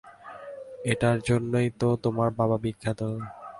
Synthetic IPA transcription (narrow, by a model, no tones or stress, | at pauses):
eʈaɾd͡ʑonːojt̪ot̪omaɾbaβabikʰːat̪o